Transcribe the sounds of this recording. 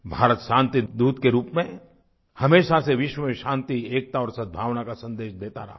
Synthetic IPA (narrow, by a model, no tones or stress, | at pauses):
bʱaːɾət̪ʃãːnt̪id̪uːd̪keɾuːpmẽ | hɐmeːʃaseʋɪʃwəmeʃãːnt̪ieːk̚t̪aɔːɾsɐd̪̚bʱaːʋnakasɐ̃nd̪eːʃd̪eːt̪a̰ɾɐɦa